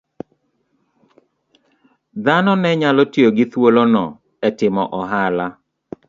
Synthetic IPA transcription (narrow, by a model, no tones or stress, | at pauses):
d̪anɔnɛɲalɔtjoɡɪt̪wolonɔ | ɛtɪmɔʔɔɦala